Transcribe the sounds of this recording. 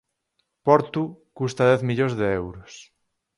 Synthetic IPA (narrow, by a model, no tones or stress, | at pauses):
pɔɾt̪ukust̪aðɛθmiʎozðeɛwɾos